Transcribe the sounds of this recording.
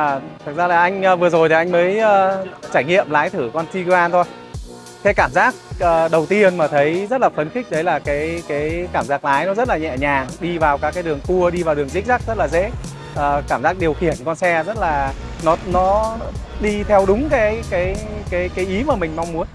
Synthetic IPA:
t̪ʰɨ˨˩k̚zaː˧laː˨˩ʔa˧jŋ̟ː˧vɨ˨˩əzo˨˩jt̪ʰi˨˩ʔa˧jŋ̟məː˨˦jʔəː˧t͡ɕaː˧˩jŋḭ˧˨əmlaː˨˦jt̪ʰɨ˧˩kɔ˧nsi˧kaː˧nt̪ʰo˧j | kaː˨˦jkaː˧˩mzaː˦˥k̚ʔəː˨˩ɗə˨˩wt̪i˧ənmaː˨˩t̪ʰə˨˦jzə˦˥t̚laː˨˩fə˧nxï˦˥k̟̚ɗə˨˦jlaː˨˩kaː˨˦jkaː˨˦jkaː˧˩mzaː˦˥k̚laː˨˦jnɔ˨˦zə˦˥t̚laː˨˩ɲɛ̰˧˨ɲaː˨˩ŋɗi˧vaː˨˩wkaː˨˦˥kaː˨˦jɗɨ˨˩əŋku˧əɗi˧vaː˨˩wɗɨ˨˩əŋzï˦˥k̚za˦˥k̚zə˦˥t̚laː˨˩zḛ˧˥ | ʔəː˨˩kaː˧˩mzaː˦˥k̚ɗi˨˩əwxi˧˩ənkɔ˧nsɛ˧zə˦˥t̚laː˨˩nɔ˨˦nɔ˨˦ɗi˧t̪ʰɛ˧wɗʊ˨˦ŋ͡mkaː˨˦jkaː˨˦jkaː˨˦jkaː˨˦jʔi˨˦maː˨˩mï˨˩ŋ̟ma˧wŋ͡mmu˨˦ən

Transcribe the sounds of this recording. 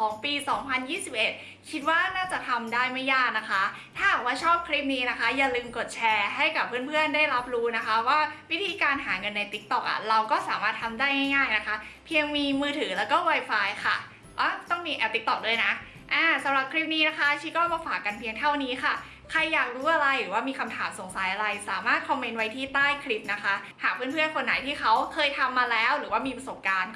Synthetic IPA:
kʰɔː˩˦ŋpiː˧sɔː˩˦ŋpʰa˧njiː˥˩si˨˩p̚ʔe˨˩t̪̚ | kʰi˦˥t̪̚waː˥˩naː˥˩t͡ɕa˨˩t̪ʰa˧mdaː˥˩jma˥˩jaː˥˩k̚na˦˥kʰa˦˥ | t̪ʰaː˥˩haː˨˩kwaː˥˩t͡ɕʰɔː˥˩p̚kʰɾi˦˥˩p̚niː˦˥na˦˥ka˦˥jaː˨˩lɯː˧mko˨˩t̪̚t͡ɕʰɛː˧ɦa˥˩jka˨˩pʰːɯː˥˩ənpʰɯ˥˩əndaː˥˩jɾa˦˥p̚ɾuː˦˥na˦˥kʰa˦˥waː˥˩wi˦˥t̪ʰiː˧kaː˧nɦaː˩˦ŋɤ˧nːa˧jt̪i˦˥k̚t̪ɔ˨˩k̚ʔa̰˨˩ɾa˧wkɔː˥˩saː˩˦maː˥˩t̪ʰːa˧mdaː˥˩jŋaː˥˩jŋaː˥˩jna˦˥kʰa˦˥pʰi˧əŋmiː˧mɯː˧t̪ʰɯː˩˦lɛː˦˥wkɔː˥˩wa˧jfaː˧jxʰa̰˥˩ | ʔɔ˦˥˩t̪ɔ˥˩ŋmiː˧˩ʔɛ˧˩t̪i˦˥k̚t̪ɔ˨˩k̚du˥˩əjna˦˥ | ʔaː˧˩sa˨˦mɾa˨˩p̚kʰɾi˦˥p̚niː˦˥na˦˥kʰa˦˥t͡ɕʰiː˦˥kɔː˥˩maː˧faː˨˩kːa˧npʰi˧əŋt̪ʰa˥˩wniː˦˥xa˥˩ | kʰa˧jːaː˨˩k̚ɾuː˦˥ʔa˧ɾa˧jɾɯː˩˦waː˥˩miː˧kʰa˧mt̪ʰaː˩˦mso˨˩˦ŋsa˨˩˦jʔa˧ɾa˧jsaː˩˦maː˥˩t̪̚kʰɔ˧mːe˧nwa˦˥jt̪ʰiː˥˩t̪aː˥˩jkʰɾi˦˥p̚na˦˥kʰa˦˥ | haː˨˩k̚pʰɯː˥˩npʰɯ˥˩ənkʰo˧nːa̰˨˩˦jt̪ʰiː˥˩xa˦˥wkʰɤː˧jt̪ʰa˧mːaː˧lɛː˦˥wɾɯː˩˦waː˥˩miː˧pɾa˧so˨˩p̚kaː˧n

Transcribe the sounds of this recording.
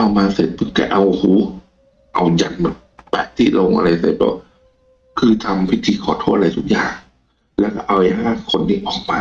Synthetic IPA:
ʔa˧wmaː˧se˨˩t̪̚pʰɯ˧˥ŋka̰˧˩ʔa˧whuː˨˦ | ʔa˧wja˧nmɯ˨˦npɛ˨˩ʔt̪ʰiː˧˥˩lo˧ŋʔa̰˧ɾa˧jse˨˩t̪̚bɔ̰˧˥w | kʰɯː˧t̪ʰa˧mpʰi˦˥t̪ʰiː˧kʰɔː˨˩˦t̪ʰoː˥˩t̪̚a˧ɾa˧jt̪ʰu˦˥k̚jaː˨˩ŋ | lɛː˦˥wkɔ˧˩ʔa˧wa˧˦haː˥˩nkʰo˧nːiː˧˩ʔɔː˨˩k̚maː˧

